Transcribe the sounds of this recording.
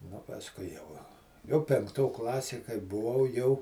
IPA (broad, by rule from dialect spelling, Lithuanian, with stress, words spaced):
nʊ pɐsˈkʊɪ jɛʊ jɛʊ pʲɛŋkˈtoː ˈklˠɑːsʲeː kɐɪ bʊˈʋɐʊ jɛʊ